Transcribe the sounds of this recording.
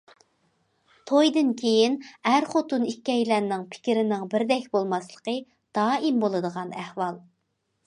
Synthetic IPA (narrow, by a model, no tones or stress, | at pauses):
t̪ʰojd̪ɨnkʲʰejinhæɾχot̪unikʲːɛjlæɾnɪŋpʰɪ̥kʲɪɾɪnɪŋbɪɾd̪ɛkʲbolˠmɑslˠə̥qə | d̪̥ɑːimbolˠɨd̪əʁɑnæhwɑlˠ